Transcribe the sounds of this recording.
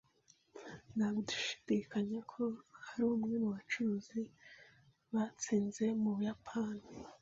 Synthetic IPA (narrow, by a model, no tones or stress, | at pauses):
naβudu̥ʃi̥d̥ikaɲakʰo̞haɾuːmŋe̞nuβat͡ʃuɾuzi | βat͡siːnze̞muβujapʰaːni